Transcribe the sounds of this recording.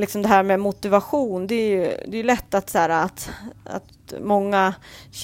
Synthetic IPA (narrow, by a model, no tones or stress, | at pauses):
lɪksɔmd̪ɛɦæːɾmɛmʊt̪ɪvaɧuːnd̪ɛːɾjɵd̪ɛjɵlɛt̪ːat̪sæːɾaːt̪a̰t̪ | mɔŋːaɕ